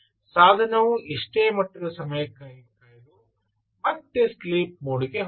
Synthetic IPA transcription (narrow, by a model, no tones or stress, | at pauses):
saːd̪ʱɐnɐʋuʔiʂʈeːmɐʈːɐɾɐsɐmɐjɐkːaːjkaːjd̪u | mɐt̪ːesliːp̚moːɽikeɦ